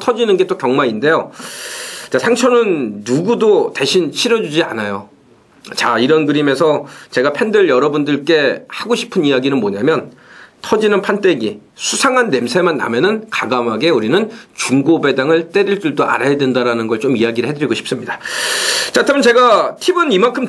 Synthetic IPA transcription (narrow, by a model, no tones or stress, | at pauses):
tʰʌd͡ʑinɯnɡe̞t͈okjʌŋmaɾinde̞jo | t͡ɕasʰaŋt͡ɕʰʌnɯnːuɡudoteɕʰinɕʰiɾʌd͡ʑud͡ʑia̰najo | t͡ɕaiɾʌnɡɯɾime̞sʰʌt͡ɕe̞ɡapʰe̞ndɯɭjʌɾʌbundɯɭk͈e̞haɡoɕʰi̥pʰɯnijaɡinɯnmoɲamjʌn | tʰʌd͡ʑinɯnpʰant͈e̞ɡisʰusʰaŋɦanːe̞msʰe̞manːa̰mjʌnɯnkaɡamɦaɡe̞uɾinɯnt͡ɕuŋɡobe̞daŋɯɭt͈e̞ɾiɭt͡ɕ͈uɭdoʔa̰ɾajadwe̞ndaɾanɯnɡʌɭt͡ɕomijaɡiɾɯɭhɦe̞dɯɾiɡoɕʰi̥p̚s͈ɯmɲida | t͡ɕatʰɯmʌt͡ɕe̞ɡatʰibɯnimankʰɯm